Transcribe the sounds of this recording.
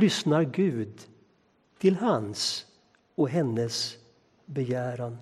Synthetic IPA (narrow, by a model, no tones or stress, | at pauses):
ʏsnaɾɡʉ̟ːd̪ | t̪ʰɪlhans | ɔɦɛnːəs | bɛjæːɾan